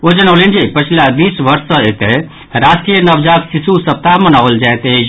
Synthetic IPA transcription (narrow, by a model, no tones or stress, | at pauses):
od͡ʒənəwlend͡ʒipət͡ʃʰilad̪isʋəɾsːə̃et̪e | ɾasʈɾijənəbd͡ʒat̪sisusəp̚t̪aɦmənawld͡ʒajt̪